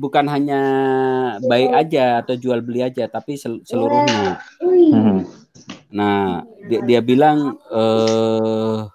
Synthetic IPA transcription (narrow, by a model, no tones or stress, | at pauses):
bukanɦaɲa | baɪʔad͡ʒaːt̪awd͡ʒualbəliad͡ʒat̪apisəsəluɾʊhɲa | naddiabilaŋə